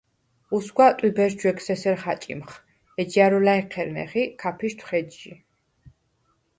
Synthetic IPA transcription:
usɡʷwat̪ʼwibɛɾd͡ʒwɛksɛsɛɾχat͡ʃʼḭmχ | ɛd͡ʒiaɾɔlaiqʰɛɾnɛ̰χikʰapʰiʃt̪ʰχɛd̪ʒi

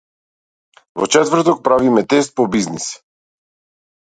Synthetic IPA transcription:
vɔ̰t͡ʃɛt̪vɾ̩t̪ɔk̚pɾavimɛt̪ɛs̬t̪̚pɔbiznis

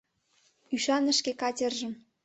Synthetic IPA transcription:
yʃɑnə̆ʃkekɑtʲə̆rʒə̆m

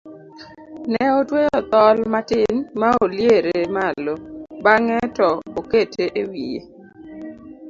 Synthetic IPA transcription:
nɛotwejɔt̪ɔlmatɪnmaoljeɾemalobaŋɛtɔoketʰeʔewijḛ

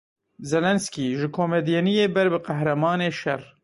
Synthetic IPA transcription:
zɛlɛnskiːʒɨkʰoːmɛd̪jɛnijeːbɛɾbɨqæhɾɛmɑːneːʃɛr

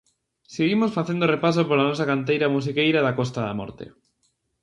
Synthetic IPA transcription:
seɣimosfaθjend̪orepas̬opoɾlanosakant̪̬ejɾamus̬ikejɾaðakost̪aða̰mo̰ɾt̪ḛ

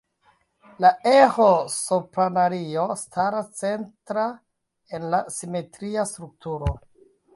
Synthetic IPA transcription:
laehosopɾanaɾio̞stʰaɾast͡se̞ntɾa | e̞nlasime̞tɾiastɾuk̚tuɾo

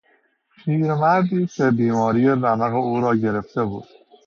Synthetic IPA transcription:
ʃʰiːɾmæɾd̪iːsebiːmɒːɾijeɾæmæɣeuːɾɒːɟe̞ɾe̞ft̪e̞bṵːd̪̥

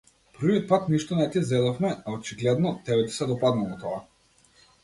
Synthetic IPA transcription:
pɾ̩viɔt̪̚pat̪niʃt̪ɔnɛt̪izɛd̪ɔfmɛaot͡ʃiɡlɛd̪nɔt̪ɛbɛt̪i̥sɛd̪ɔpad̪nalˠɔt̪ɔa

